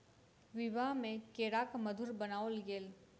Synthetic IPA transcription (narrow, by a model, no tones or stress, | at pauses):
ʋɪʋaɦmẽkeːɾaːkməd̪ʱuɾbənaːolɡeːl